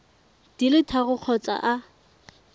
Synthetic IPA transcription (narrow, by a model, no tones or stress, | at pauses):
d̥ilɪtʰaɣʊq͡χʰɔt͡sʼa̰ʔa